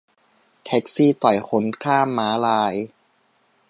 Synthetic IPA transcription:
t̪ʰɛ˦˥k̚siː˥˩t̪ɔ˨˩jxʰo˨˦˥nkʰaː˥˩mːaː˨˦˥laː˧j

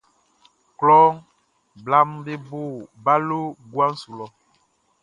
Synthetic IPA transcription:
klɔ˦ŋ | bla˦mbe˦bo˦˨ba˦lo˦ɡwa˦n̩˦su˨lɔ˨

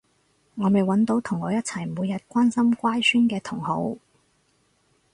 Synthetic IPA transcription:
ŋɔː˨˧me˨jwɐ˨˥nt̪o˨˧wt̪ʰʊ˨˩ŋːɔː˨˧jɐ˥t̚t͡sʰɐ˨˩jmuː˨˧jɐ˨t̚kʷaː˥nsɐ˥mkʷaː˥jsyː˥nkɛː˧t̪ʰʊ˨˩ŋho˨˥w

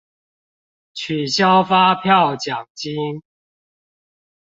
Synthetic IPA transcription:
t͡ɕʰy˨˩ɕja˦ʊfa˦pʰjɑ˥˨ʊt͡ɕja˨˩ŋt͡ɕi˦ŋ

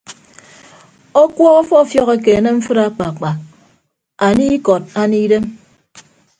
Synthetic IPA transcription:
o˦kwɔ˦ɣɔ˦fɔ˦˨fjɔ˦ɣe˨k̬e˨ne˦m̩˦fɨ˦ɾa˦k͡pa˨k͡pa˨ | a˨ni˦kɔ˨t̚a˦ni˦de˦m

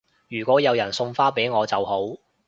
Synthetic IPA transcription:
jyː˨˩kʷɔː˨˥jɐ˨˧wjɐ˨˩nsʊ˧ŋfaː˥pe˨˥jŋɔː˨˧t͡sɐ˨who˨˥w

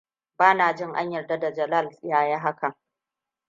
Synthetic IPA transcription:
baː˦naː˨d͡ʒɪ˦ŋʔa̰˦ɲjɐ˨rda˦da˨d͡ʒɐ˨la˦˨ljaː˦jaː˦ɦa˦ka˨

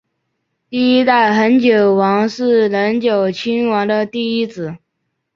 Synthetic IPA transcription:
t̪i˥˩i˥t̪a˥˩ɪxə˧˥nt͡ɕjo˨˩ʊwɑ˧˥ŋʂɻ̩˥˩lə˧˥nt͡ɕjo˨˩ʊt͡ɕʰy˥nwɑ˧˥ŋd̪ə˧t̪i˥˩i˥t͡sɹ̩˨˩˦

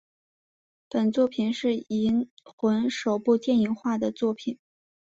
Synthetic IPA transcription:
pə˨˩nt͡swɔ˥˩pʰi˨˩nʂɻ̩˥˩i˧˥nxwə˧˥nʂo˨˩ʊpu˥˧t̪jɛ˥˩ni˧˥ŋxwa˥˩d̪ə˩t͡swɔ˥˩pʰi˨˩˦n

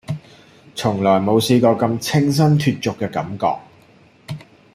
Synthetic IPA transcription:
t͡sʰʊ˨˩ŋlɔː˨˩jmo˨˧wsiː˧kɔː˧kɐ˧mt͡sʰɪ˥ŋs̬ɐ˥nt̪ʰyː˧t̚t͡sʊ˨kːɛː˧kɐ̰˨˥mkɔ̰ː˧k̚

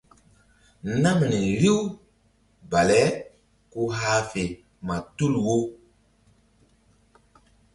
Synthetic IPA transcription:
na˦mnɛ˨ɾi˦w | ba˨lɛ˦ | ku˦ɦa˦fe˨ | ma˨tu˦lwo˦

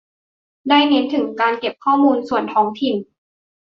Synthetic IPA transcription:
daː˥˩jne˦˥nt̪ʰɯ˩˦ŋkaː˧nke˨˩p̚kʰɔː˥˩muː˧nsu˨˩ənt̪ʰɔː˦˥ŋt̪ʰi˨˩n

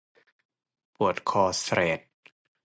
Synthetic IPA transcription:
pu˨˩ət̪̚kʰɔː˧sɾeː˨˩t̪̚

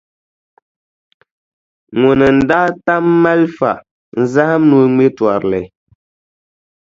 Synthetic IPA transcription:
ŋo˨nɨ˨n̩˨da˦ta˦mːa˦lfa̰˨ʔ | n̩˦za˦ha˦mnu˦ŋe˦twa˨ɾlɛ˨

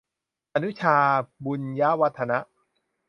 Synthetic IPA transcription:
ʔa˧nu˦˥t͡ɕʰaː˧bu˧nja˦˥wa˦˥t̪ʰːa˧na˦˥ʔ

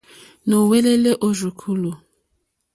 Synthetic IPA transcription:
no˨we˦le˦le˦ʔo˦ru˨kʰu˦lu˨

